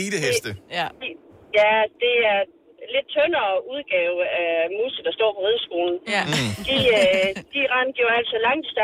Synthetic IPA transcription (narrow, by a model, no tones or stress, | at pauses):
iːd̥eɦed̥ə | jæd̥e̝æɐ | le̝d̥̚t͡sʰɔnɐːuð̞ˠɡ̥ɛːʊæmuːsid̥ɑsd̥ɒ̰ːpʰɒ̽ʁeðˠsɡ̥o̝ːln̩d̥iød̥iʁɑ̈nɡ̥jo̝ɐæl̰d̥sælɑ̈ŋ̰d̥isɑ